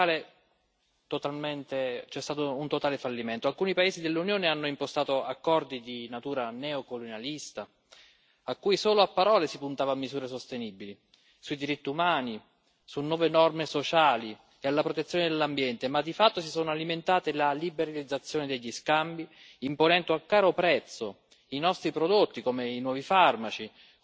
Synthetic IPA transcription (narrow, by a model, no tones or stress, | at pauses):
ale | t̪ot̪alment̪et͡ʃɛst̪aːt̪ount̪ot̪aːlefalːiment̪oalkuːnipaeːzid̪elːunjoːneanːoimpost̪aːt̪oakːɔrd̪id̪inat̪uːɾanɛokolonjalist̪a | akːuːisoːloapːaɾɔːlesipunt̪aːvaːmːizuːɾesost̪enibili | suid̪iɾit̪ːiumaːni | sunːwɔːvenɔrmesot͡ʃaːli | ealːapɾot̪et̪sːjoːned̪elːambjɛnt̪emad̪ːifat̪ːosisoːnoaliment̪aːt̪elalibeɾalid̪zːat̪sːjoːned̪eʎːiskambi | imponɛnt̪oakːaːɾopɾɛt̪sːo | inɔst̪ɾipɾod̪ot̪ːikomeinwɔːvifarmat͡ʃi